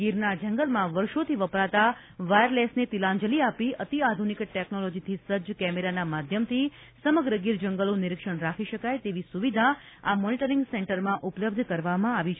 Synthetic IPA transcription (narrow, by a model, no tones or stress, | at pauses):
ɡiɾnad͡ʒə̃ŋɡəlmãʋəɾʃot̪ʰiʋəpɾat̪a | ʋajəɾlesnet̪ilãɲd͡ʒəliapiʔət̪iad̪ʱunikʈɛknolod͡ʒit̪ʰisəd͡ʒkɛmeɾanamad̪ʱjəmt̪ʰi | səməɡɾəɡiɾd͡ʒəŋɡəlonɪɾikʃəɳɾakʰiʃəkajt̪eʋisuʋid̪ʱaamɔniʈəɾiŋɡsɛɳʈəɾmãʔupələb̚d̪ʱkəɾʋamãaʋit͡ʃʰ